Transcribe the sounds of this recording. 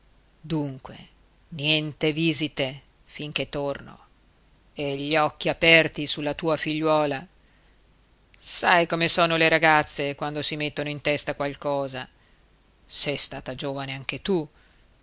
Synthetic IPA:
d̪uŋkwḛ | njɛnt̪eviːzit̪e | fiŋk̟et̪ːorno̰ | eʎːiɔkːiapɛrt̪isulːat̪uːafiʎːwɔːla | sajkomesoːnoleɾaɡat̪sːekwand̪osimet̪ːonoint̪ɛst̪akwalkɔːza | sɛjst̪aːt̪ad͡ʒoːvaneaŋk̟et̪u

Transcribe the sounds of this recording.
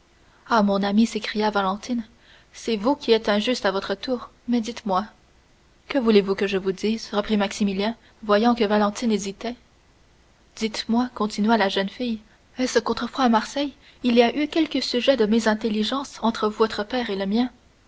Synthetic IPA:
amɔ̃namisekχijavalɑ̃t̪in | sɛvukʲiɛt̪ɛ̃ʒyst̪avɔt̪χət̪uːʁ | mɛd̪it̪mwa | kəvulevukəʒəvud̪iːzʁəpχimaksimiljɛ̃ | vwajɑ̃kəvalɑ̃t̪inezit̪ɛ | d̪̥it̪mwakɔ̃t̪inɥalaʒənfij | ɛsəkɔ̃t̪χəfwaːmaʁsɛj | iliaʔykʲɛlkəsyʒɛd̪əmezɛ̃t̪eliʒɑ̃ːsɑ̃t̪χəvuvɔt̪χəpɛːʁeləmjɛ̃

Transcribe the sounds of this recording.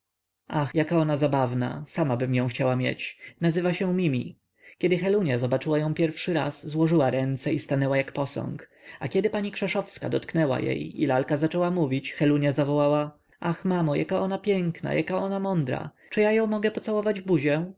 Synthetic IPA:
axjakaɔnazabavna̰samabɘmjɔ̃w̃xt͡ɕawamʲjḛt͡ɕnazɘvaɕɛ̃mʲimʲi | kʲɛd̪ɘxɛluɲazɔbat͡ʂɘwajɔ̃w̃pʲjɛɾfʂɘɾa̰sːwɔʐɘwaɾɛnt̪sɛist̪anɛwajakpɔsɔ̰̃ŋk | akʲɛd̪ɘpaɲikʂɛʂɔfska̰d̪ɔt̪knɛwa̰jḛjḭlalkazat͡ʂɛwamuvʲit͡ɕxɛluɲazavɔwawa | axmamɔjakaɔnapʲjɛŋkna̰jʔakaɔnamɔnd̪ɾa̰ | t͡ʂɨjajɔ̃w̃mɔɡɛpɔt̪sawɔvad͡ʑvbuʑɛ

